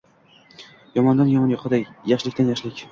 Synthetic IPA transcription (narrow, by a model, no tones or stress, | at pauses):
jɒmɒnd̪anjɒmɑnjɒqʰɑd̪akʲjaχʃlɪkʲt̪anjaχʃlɪkʲ